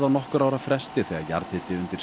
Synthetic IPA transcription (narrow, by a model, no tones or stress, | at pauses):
ðawnɔhkʏɾawɾafɾɛst̪ɪθɛɣa̰ja̰ɾθhɪt̪ɪʏnt̪ɪɾ̥